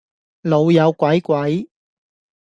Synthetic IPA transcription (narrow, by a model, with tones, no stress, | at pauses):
lo˨˧wjɐ˨˧wkʷɐ˨˥jkʷɐ˨˥j